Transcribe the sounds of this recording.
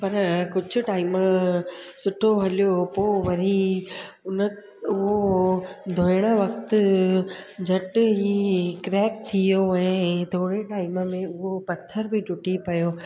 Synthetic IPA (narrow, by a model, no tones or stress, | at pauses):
pɐɾkʊd͡ʑʱʊ̆ʈaːɪmə | sʊʈʰoɦɐlijopoːʋɐɾi | ʊnə | ʊɦo | d̪ʱoɪɽ̃əʋɐkt̪ | d͡ʑʱɐʈɦikɾɛːk̚t̪ʰijoɛ̃ːt̪oːɽeʈaːɪməmẽʊɦopɐt̪ʰəɾbʱɪʈʊʈipɐjoː